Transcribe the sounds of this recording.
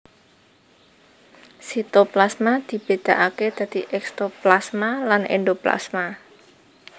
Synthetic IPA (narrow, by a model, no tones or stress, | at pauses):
sit̪oplasmad̪̥i̤b̥e̤d̪̥a̤ʔaked̪̥ä̤d̪̥iʔɛkst̪oplasmalanḛnd̪opla̰sma